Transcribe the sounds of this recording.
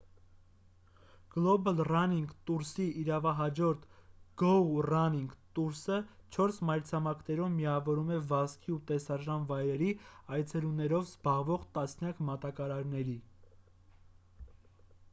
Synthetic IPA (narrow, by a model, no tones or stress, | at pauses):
ɡ̥lɔbəlrɑniŋɡt̪uɾsiʔːɾɑvɑɦɑd͡ʒɔɾt̪ʰɡ̥ɔrɑniŋɡt̪uɾsət͡ʃʰɔɾsmɑjɾt͡sʰɑmɑkʰnɛɾumːiɑvɔɾumɛvɑskʰiut̪ɛsɑʒɑnvɑjɾɛɾiɑjt͡sʰɛlunɛɾɔvzbɑʁvɔʁt̪ɑsnjɑkmɑt̪ɑkɑɾɑɾnɛɾi